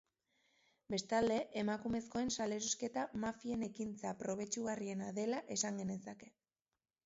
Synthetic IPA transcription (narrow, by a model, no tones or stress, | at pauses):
be̞st̪ald̪e̞ʔemakume̞sko̞e̞nsale̞ɾoske̞t̪amafie̞ne̞kint͡sapɾo̞β̞e̞t͡ʃuɣarie̞naðe̞laʔe̞saŋɡe̞ne̞sake̞̥